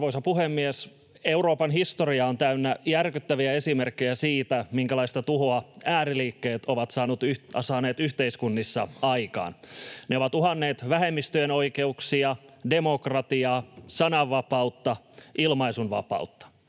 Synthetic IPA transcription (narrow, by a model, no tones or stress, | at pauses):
ʋoisɑpuɦemːies | e̞uɾo̞ːpɑnɦist̪oriɑont̪æynːæjærkyt̪ːæʋiæe̞simerkːejæsiːt̪æmiŋkælɑist̪ɑt̪uɦoɑæːriliːkːeːt̪oʋɑt̪sɑːnut̪yɑsɑːne̞ːt̪yht̪eiskunːisːɑɑjkɑ̰ːnneoʋɑt̪uhɑnːeːt̪ʋæɦemːist̪yeno̞ike̞uksiɑde̞mo̞krɑt̪iɑːsɑnɑʋːɑpɑut̪ːɑilmɑisunʋɑ̰pɑ̰ut̪ːɑ̥